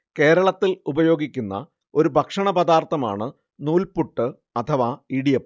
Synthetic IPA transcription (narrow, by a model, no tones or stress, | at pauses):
ke̞ːɾɐɭɐt̪ːilubɐjo̞ːɡikʲːunːɐ̰ | o̞ɾubʱɐkʂɐɳɐbɐd̪aːrt̪ʰːɐma̰ːɳɨ | nuːlpuʈːɨ | ɐt̪ʰɐʋaːiɽijɐp